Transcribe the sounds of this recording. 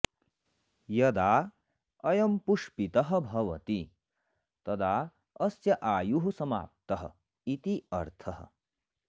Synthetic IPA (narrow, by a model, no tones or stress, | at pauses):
jɐd̪aː | ɐjɐmpuʂpit̪ɐɦɐ̆bʱɐʋɐ̰t̪i | t̪ɐd̪aː | ɐsjɐʔaːjuɦusɐma̰ːp̚t̪ɐɦɐ̰ | it̪iɐɾt̪ʰɐɦɐ̰